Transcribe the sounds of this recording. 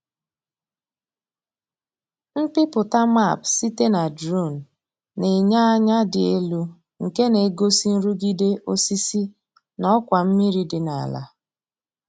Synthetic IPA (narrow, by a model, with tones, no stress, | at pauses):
m̩˦pɪ˦pʊ˨ta˦ma˦˨psi˦te˦na˨dɾu˦˨n̩˨ | ne˨ɲa˦ɲa˦dɪ˨e˦lu˦ | ŋ̩˨ke˦ne˨˦ɡo˦si˦n̩˦ɾu˦ɡi˦de˦ʔo˦si˦si˦ | nɔ˦kʷa˨m̩˦mi˦ɾi˦dɪ˨na̰˨la̰˦